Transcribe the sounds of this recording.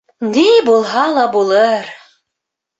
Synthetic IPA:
nibulˠɦɑlˠɑbulˠɤɾ

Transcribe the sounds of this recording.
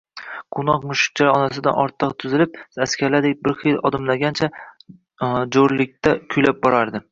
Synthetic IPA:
qʰʊnɒqmʊʃɪ̥k̚t͡ʃʰaɾɒnasɪd̪a̰nɒɾt̪ʰːɨqt̪ʰʊzɪlɪp̚askʲaɾlad̪ek̚ʲbɪɾχijlɒd̪ɪmlaɡʲant͡ʃʰa | d͡ʒoɾlɪk̚ʲt̪akʲʰʊjlap̚bɒɾaɾd̪ɪ

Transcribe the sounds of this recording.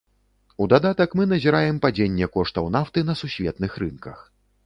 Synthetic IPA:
ud̪ad̪at̪ɐkmɨnɐzʲiɾajɛmpad͡zʲenʲːɛkɔʂt̪ɐwnaft̪ɨn̪ɐsusʲvʲɛt̪̚nɨxɾɨnkɐx

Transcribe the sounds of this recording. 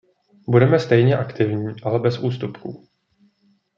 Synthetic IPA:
budɛmɛst̪ɛjɲɛʔakt̪ɪvɲiːʔalɛbɛsʔuːst̪upkṵ

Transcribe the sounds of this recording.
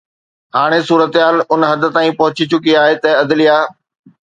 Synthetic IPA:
ɦaːɽ̃esuːɾət̪ɦaːlʊnɦɐd̪ə̆t̪aːĩpɐɦʊt͡ɕit͡ɕʊkiaːɦet̪ɐɐd̪lijaː

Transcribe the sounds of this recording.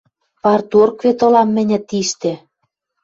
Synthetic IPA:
pɑrt̪urkvet̪ŏlɑmːɘ̆nʲɘ̆t̪iʃt̪ĕ

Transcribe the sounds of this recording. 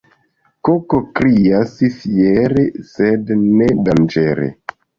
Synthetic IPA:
kokokɾiasifieɾesednedand͡ʒeɾḛ

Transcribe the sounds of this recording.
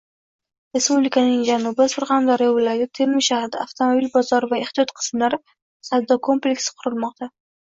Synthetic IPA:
ɾe̞spublikʰanɪŋd͡ʒanʊbɪsʊɾʁɑnd̪aɾɪjɒvʊlaɾɡʲat̪ʰeɾmɪʃahɾɪd̪aaft̪ʰomobilbɒzɒɾvaeχt̪ijɒt̪qʰɨ̥smlaɾ | sad̪ːɒkʰo̞mplʲekʲsqʰʊɾɪlˠmɒqt̪ʰa

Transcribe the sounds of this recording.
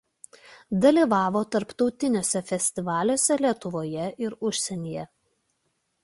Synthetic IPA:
d̪ɐlʲiːˑʋɑːʋoːt̪ɐɾpt̪ɒʊt̪ʲɪnʲoːsʲɛfʲɛsʲt̪ʲɪʋɑːlʲoːsʲɛlʲiɛt̪ʊʋoːjɛʔɪɾʊʃʲsʲɛnʲiːjɛ

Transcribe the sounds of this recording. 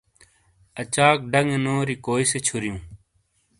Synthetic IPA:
ət͡ɕaːk̚ɖəŋenoːɾiːkoːiset͡ɕʰʊɾjũː

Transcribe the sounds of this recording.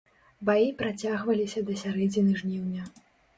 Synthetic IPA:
bajipɾat͡sʲaɣvɐlʲisʲɐd̪ɐsʲaɾɛd͡zʲinɨʐnʲiwnʲɐ

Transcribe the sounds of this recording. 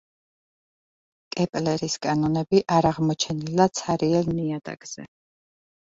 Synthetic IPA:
kʼɛpʼlɛɾiskʼanɔnɛbiʔaɾaʁmɔt͡ʃʰɛnilat̪sʰaɾiɛlniad̪ʼa̰ɡ̥z̥ɛ̰

